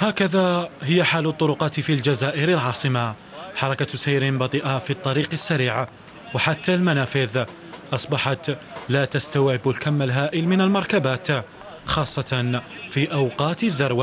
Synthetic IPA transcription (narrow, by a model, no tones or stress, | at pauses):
haːkaðahɪjːaħaːlʊt̪ˤːʊɾʊqɑːt̪fild͡ʒazaːʔɪɾalʕɑːsˤɨma | ħɑɾˤɑkasajɾɪnbɑt̪ˤiːʔafit̪ˤːɑɾiːqasːaɾiːʕa | waħat̪ːalmanaːfɪð | ʔɑsˤbɑħɑt̪laːt̪ast̪awʕɪbalkamːalɦaːʔɪlmɪnalmɑɾˤkabaːt̪ | xɑːsˤːɑt̪nfiːʔawqɑːt̪aðːɑɾˤwa